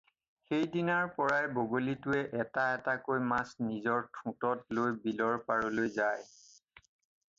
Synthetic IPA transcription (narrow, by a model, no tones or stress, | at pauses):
xejdinaɹpɔɹajboɡolitʊɛʔɛtaɛtakojmasnizɔɹtʰũtɔtlojbilɔɹpaɹɔlojzaj